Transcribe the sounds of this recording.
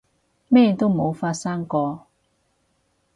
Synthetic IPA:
mɛː˥˨t̪o˥wmo˨˧wfaː˧t̚sa˥ŋkɔː˧

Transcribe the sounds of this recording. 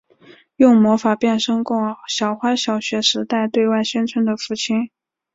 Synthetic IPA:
jʊ˥˩ŋmwɔ˧˥fa˨˩pjɛ˥˩nʂɤ˥ŋkʊ˥˩ŋɕjɑ˨˩ʊxwa˥ɕjɑ˨˩ʊɕɥɛ˧˥ʂɻ̩˧˥t̪a˥˧ɪt̪we˥˧ɪwa˥˩ɪɕɥɛ˥nʈ͡ʂʰə˧˥nd̪ə˨fu˥˩t͡ɕʰi˥n

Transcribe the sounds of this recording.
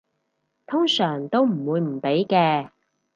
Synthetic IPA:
t̪ʰʊ˥ŋsœː˨˩ŋt̪o˥wm̩˨˩wuː˨˧jm̩˨˩pe˨˥jkɛː˧

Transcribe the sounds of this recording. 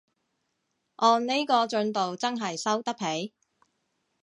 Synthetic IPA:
ʔɔː˧nne˥jkɔː˧t͡ʃɵ˧nt̪o˨wt͡sɐ˥nɦɐ˨jsɐ˥wt̪ɐ˥k̚pʰe˨˥j

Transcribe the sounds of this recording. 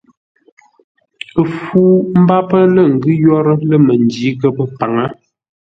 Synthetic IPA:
ə˨fuː˦m̩˦ba˦pə˦lə˦˨ŋ̩˨ɡʉ˦jɔ˦ɾə˦lə˦mə˨ndi˨˦kə˦pə˦pa˨ŋa˦

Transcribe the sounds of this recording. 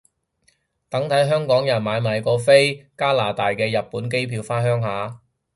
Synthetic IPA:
t̪ɐ˨˥ŋt̪ʰɐ˨˥jɦœː˥ŋkɔː˨˥ŋjɐ˨˩nmaː˨˧jmaː˨˧jkɔː˧fe˥jkaː˥laː˨t̪aː˨jkɛː˧jɐ˨t̚pːuː˨˥nke˥jpʰiː˧wfaː˥nɦœː˥ŋɦaː˨˧

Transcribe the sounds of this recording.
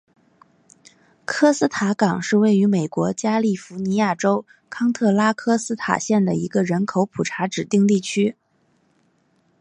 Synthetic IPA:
kʰɤ˥sɹ̩˥t̪ʰa˧˥kɑ˨˩ŋʂɻ̩˥˧we˥˩ɪy˧˥me˨˩ɪkwɔ˧˥t͡ɕja˥li˥˩fu˧˥ni˧˥ja˥˩ʈ͡ʂo˥ʊ | kʰɑ˥ŋt̪ʰɤ˥˩la˥kʰɤ˥sɹ̩˥t̪ʰa̰˨˩ɕjɛ˥˩nd̪ə˩i˧˥ɡə˧ɻə˧˥nkʰo˧˥ʊpʰu˨˩ʈ͡ʂʰa˧˥ʈ͡ʂɻ̩˨˩t̪i˥˧ŋt̪i˥˩t͡ɕʰy˥

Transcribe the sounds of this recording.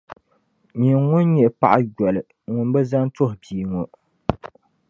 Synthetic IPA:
ɲi˨ŋʊ˦nɲɛ˨pa̰˦ʔa˦ɡɔ˨lɨ˨ | ŋʊ˨mbɛ˦za˦n˦to˦hʊ˨biː˨ŋo˨

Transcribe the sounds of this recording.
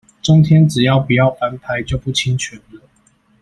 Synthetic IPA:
ʈ͡ʂo˥ŋt̪ʰjɛ˥nʈ͡ʂɻ̩˨˩jɑ˥˩ʊpu˨˩jɑ˥˩ʊfa˨˥npʰa˨˦ɪt͡ɕjo˥˧ʊpu˥˩t͡ɕʰi˥ŋt͡ɕʰɥy˨˩nlə˦

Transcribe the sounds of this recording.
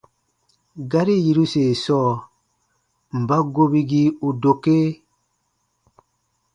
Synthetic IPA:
ɡa˦ɾi˦˨ji˨ɾu˦se˨sɔ˦˨ | m̩˨ba˦ɡo˦bi˦ɡi˦u˨do˨ke˦

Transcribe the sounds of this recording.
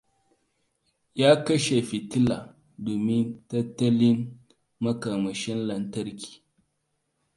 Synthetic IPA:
ja˦kɐ˦ʃe˨fi˨tɪ˦la˨ | doː˨mɪ˦ntɐ˦tːɐ˦li˦n | mɐ˦ka˨mɐ˨ʃɛ˦nlɐ˨ntɐ˦ɾkʲi̥ː˨

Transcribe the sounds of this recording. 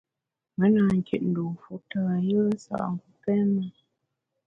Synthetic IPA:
mə˨˦na˨ŋ̩˨kʰḛ˨t̚n̩˨do˨fu˨˦tə˨a˨jə˦sa̰˨ʔŋ˨ɡu˦pɛ˦mə˨

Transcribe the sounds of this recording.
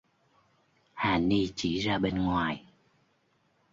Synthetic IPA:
haː˨˩ni˧t͡ɕi˧˩zaː˧ɓe˧nŋwaː˨˩j

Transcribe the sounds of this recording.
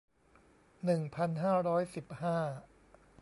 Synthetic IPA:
nɯ˨˩ŋpʰa˧nɦaː˥˩ɾɔː˦˥jsi˨˩p̚haː˥˩

